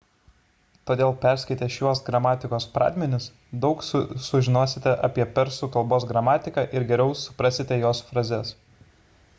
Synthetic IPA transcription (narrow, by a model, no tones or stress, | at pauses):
t̪oːd̪ʲeːlˠpʲæˑɾʲsʲkʲɐɪt̪ʲɛʃʲjuɔsɡɾɐmɑːt̪ʲɪkoːspɾɑ̰ːd̪ʲmʲɛnʲɪs | d̪ɒʊkssʊʒʲɪnoːsʲɪt̪ʲɛʔɐpʲiɛpʲɛɾsuːkɐlˠboːsɡɾɐmɑːt̪ʲɪkɑʔɪɾɡʲɛɾʲɛʊsʊ̥pɾɐsʲɪt̪ʲɛjoːsfɾɐzʲɛs